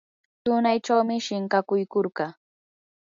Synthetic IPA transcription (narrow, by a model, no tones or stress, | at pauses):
t̪ʊnajʈ͡ʂawmɪʃɪɴkɑkʊjkoɾɢɑ